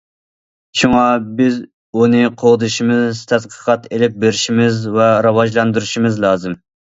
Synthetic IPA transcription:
ʃuŋɑbɪz | unɨqʰoʁd̪ɨʃimɨzt̪ʰɛd̪qʰə̥qʰɑt̪elɪp̚beɾɪʃimɪzvɛɾɑwɑʒlˠɑnd̪uɾuʃimɨzlˠɑːzɨm

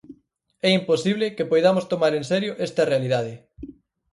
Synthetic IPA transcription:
ɛimposiβlɪkepojðamost̪omaɾensɛɾjoʔɛst̪ɐrealið̞að̞ɪ

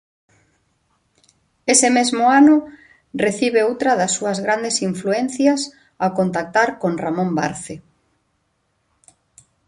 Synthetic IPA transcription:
esemezmʊanʊ | reθiβeowt̪ɾɐðasːuɐzɣɾand̪esiɱfluen̟θjas | akont̪ak̚t̪aɾkonramõmba̰ɾθe

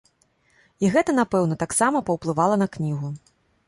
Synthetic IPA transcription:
iɣɛt̪ɐn̪apɛwnɐt̪aksamɐpɐwplˠɨvalˠɐnɐknʲiɣu

